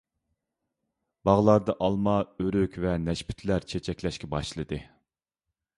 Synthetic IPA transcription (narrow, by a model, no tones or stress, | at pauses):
b̥ɑʁlˠɑɾd̪ɑʔɑlˠmɑøɾykʲvɛnɛʃpʰy̥t̪ʰlæɾt͡ʃʰet͡ʃʰɛkʲlɛʃkʲʰɛbɑʃlˠɨd̪ɨ